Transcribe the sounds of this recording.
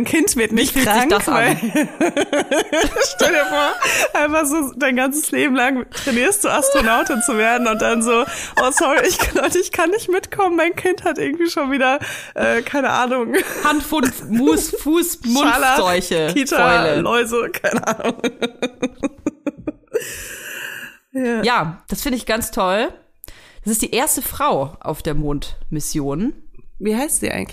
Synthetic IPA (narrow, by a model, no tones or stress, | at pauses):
aɪnkʰɪntv̥ɪɐtnɪçtiŋmma | ʃtɛldiːɐfoːɐʔaɪnfaχz̥oːd̥aɪnɡant͡səsleːbm̩laŋtʁ̥ɛniːɐst̚d̥uːʔastʁ̥onaʊtɪnt͡suveːɐdn̩ʊnt̚d̥anzoːʔoːsɔʁiɪçknɔdɪçtkʰanːɪçtmɪtkʰɔmənmaɪnkʰɪnthatʔɪɐɡŋ̩tv̥iːʃoːnviːdɐ | ʔɛːkʰaɪnəʔaːnʊŋhantfonmuːsfuːsmʊnalazɔʏçəkʰiːtaɛləlʔɔʏzəkʰaɪnəʔaːnʊŋ | jaːjaːd̥asfɪndəɪçɡ̥ant͡stʰɔl | d̥asɪstd̥iːʔeːɐstəfʁ̥aʊʔa̰ʊfd̥eːɐmoːntmɪsjoːnviːɦaɪstz̥ḭʔa̰ɪɡŋ̩t